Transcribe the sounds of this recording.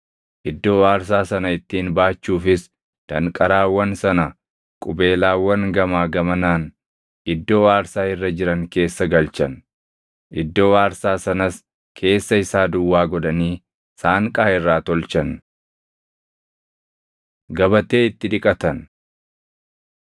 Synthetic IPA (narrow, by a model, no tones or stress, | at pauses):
ʔɪd̪ːo̞ːwaːɾs̬aːsɐnɐɪt̪ːiːnbaːt͡ʃːuːfɪs | d̪̥ɐŋkʼɐɾaːwɐnsɐnɐ | kʼʊbe̞ːlaːwːɐŋɡɐmaːɡɐmɐnaːn | ʔɪd̪ːo̞ːwaːɾsaːhɪrːɐd͡ʒɪɾɐŋke̞ːsːɐɡɐlt͡ʃɐn | ʔɪd̪ːo̞ːwaːɾsaːsɐnɐs | kʰe̞ːsːɐɪsaːd̪ʊwːaːɡɔd̪ɐniː | saːŋkʼaːhɪrːaːt̪ɔlt͡ʃɐn | ɡɐbɐt̪e̞ːɪt̪ːɪᶑɪkʼɐt̪ɐn